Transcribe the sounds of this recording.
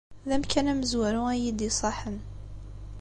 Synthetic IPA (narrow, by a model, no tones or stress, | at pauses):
ðæmkænæməzwæɾuæjid̪isˤɑħən